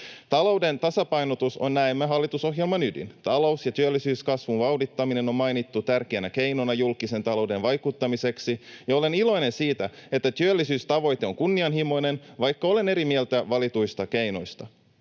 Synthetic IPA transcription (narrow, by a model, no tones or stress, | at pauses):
t̪ɑlo̞wde̞nt̪ɑsɑpɑjnot̪uso̞̰nnæemːæɦɑlːit̪uso̞ɦjelmɑnydḭnt̪ɑlo̞usjɑt̪yølːisyːskɑsʋunʋɑwdit̪ːɑmine̞no̞mmɑjnit̪ːut̪ærkeːnæke̞jnonɑjulkise̞nt̪ɑlo̞wde̞nʋɑjkut̪ːɑmise̞ksijɑo̞le̞nilo̞jne̞nsiːt̪æe̞t̪ːæt̪yølːisyːst̪ɑʋo̞jt̪e̞o̞ŋkunːiɑnɦimo̞jne̞nʋɑjkːɑo̞le̞ne̞ɾimielt̪æʋɑlit̪ujst̪ɑke̞jno̞̰jst̪ɑ